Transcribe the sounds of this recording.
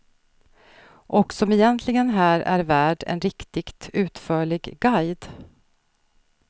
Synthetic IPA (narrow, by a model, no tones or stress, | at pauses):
ʔɔksɔmɪjɛnt̪ʰlɪɡənɦæːɾæ̰ɾvæːɖɛ̰nɾɪkt̪ɪɡt̪ʉ̟ːt̪fœːɭɪɡɡajd̪